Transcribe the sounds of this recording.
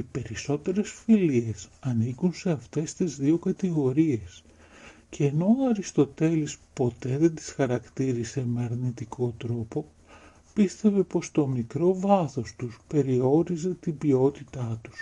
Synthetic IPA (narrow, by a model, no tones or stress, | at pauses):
ipe̞ɾiso̞t̪e̞ɾe̞sfilie̞sɐnikunse̞ɐft̪e̞st̪izðio̞kɐt̪iɣo̞ɾie̞s | ceːno̞ːɐɾist̪o̞t̪e̞lispo̞t̪e̞ðe̞nd̪i̥sxɐɾɐkt̪iɾise̞meɐɾnit̪ikʰo̞t̪ɾo̞po̞ | pist̪e̞ve̞po̞st̪o̞mikɾo̞vɐθo̞st̪uspe̞ɾio̞ɾize̞t̪ibio̞t̪it̪ɐt̪u̥s